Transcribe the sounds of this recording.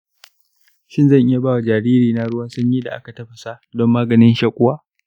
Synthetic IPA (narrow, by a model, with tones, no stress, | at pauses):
ʃɪ˦nzɐ˦˨ŋʔɪ˦ja˨baː˦wa˨d͡ʒaː˨ɾiː˦ɾiː˨na˦ɽʊ˦waː˦sʊ˦ɲji˦da̰˨ʔa̰˦ka˨tɐ˦ɸɐ˨sa˦dɔ˦mːaː˦ɡɐ˨nɪ˦nʃaː˦kʷʼʊ˦waː˦